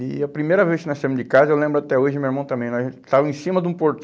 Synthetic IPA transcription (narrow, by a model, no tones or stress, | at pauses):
ɪɐpɾimejɾɐveskɪnasemʊzd͡ʒɪkazɐewlẽmbɾʊat̪ɛoʒɪmewiɾmɐ̃w̃t̪ɐ̃mbẽj̃nɔt̪avẽsĩmɐd̪ũpoɾt̪